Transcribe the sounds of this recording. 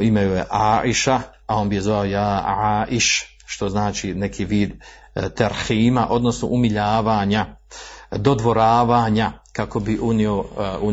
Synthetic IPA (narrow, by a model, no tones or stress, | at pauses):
imajujḛʔaːʔiʃa | ao̞ːnbije̞zʋaojaːʕaːʔiʃ | ʃt̪o̞znaːt͡ʃine̞kʰiʋiːd̪ | t̪aɾhiːmaʔo̞d̪no̞sno̰ʔumiʎaːʋaːɲa | d̪o̞d̪ʋo̞ɾaːʋaːɲakako̞biʔuniou